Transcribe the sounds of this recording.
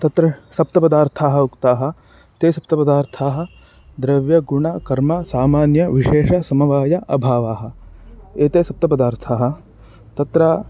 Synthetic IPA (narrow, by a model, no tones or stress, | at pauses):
t̪ɐt̪ɾɐsɐp̚t̪ɐpɐd̪aːɾt̪ʰaːɦɐukt̪aːɦɐ̆ | t̪eːsɐp̚t̪ɐpɐd̪aːɾt̪ʰaːɦɐ̆ | d̪ɾɐʋjɐɡuɳɐkɐɾmɐsaːmaːnjɐʋiʃeːʃɐsɐmɐʋaːjɐʔɐ̰bʱaːʋaːɦɐ̆eːt̪eːsɐp̚t̪ɐpɐd̪aːɾt̪ʰaːɦɐ̆ | t̪ɐt̪ɾɐ